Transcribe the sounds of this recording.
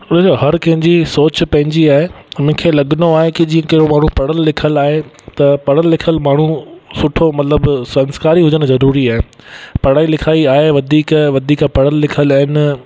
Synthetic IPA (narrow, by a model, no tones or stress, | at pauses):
ʊned͡ʑoɦɐɾkɐ̃ɦɪ̃ɲd͡ʑisoːt͡ɕpɐ̃ɦɪ̃ɲd͡ʑiaːɦemʊ̃ɦɪ̃kʰeːlɐɠnoaːɦekɪd͡ʑiːə̃kɐɦɪɾomaːɳ̤ũpɐɽəlːɪkʰəlaːɦe | t̪ɐpɐɽəlːɪkʰəlmaːɳ̤ũsʊʈʰomɐt̪ləbsɐ̃nskaːɾiɦʊd͡ʑəñ̆zɐɾuːɾiaːɦepɐɽaːilɪkʰaːiaːɦeʋɐd̪ʱiːkʋɐd̪ʱiːkapɐɽəlːɪkʰəlaːɦɪnɪ